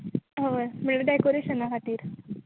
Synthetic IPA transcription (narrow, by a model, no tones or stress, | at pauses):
ɦəʋəɾməɭeɖajkoɾeɕənakʰat̪iːɾ